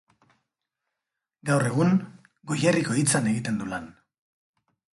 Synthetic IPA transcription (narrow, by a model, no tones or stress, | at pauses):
ɡawre̞ɣ̞uŋ | ɡo̞jeriko̞it͡sane̞ɣit̪e̞nd̪ulan